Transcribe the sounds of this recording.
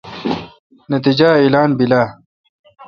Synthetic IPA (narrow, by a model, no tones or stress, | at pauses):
nɐt̪id͡ʑailaːnbilaː